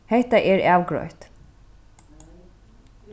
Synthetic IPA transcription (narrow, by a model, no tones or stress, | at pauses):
hɛht̪aʔɛɾæːwɡɾɔ̰ʏht̪